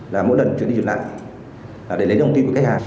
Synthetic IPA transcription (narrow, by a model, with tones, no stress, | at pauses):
laː˨˩mo̰˧˥jlə˨˩nt͡ɕw̰ni˧t͡ɕla̰ː˧˨j | laː˨˩ɗe˧˩ljwt̪i˧kkːa˦j̚khaː˨˩